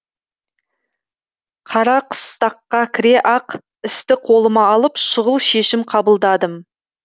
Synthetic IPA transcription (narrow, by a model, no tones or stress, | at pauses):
qʰɑɾɑqʰə̥st̪ɑqːɑkʲʰɪɾe̞ʔɑq | ɪst̪ɪqʰo̞lˠəmɑːlˠəpʃʊʁəlˠʃe̞ʃɪmqʰɑbəlˠd̪ɑd̪əm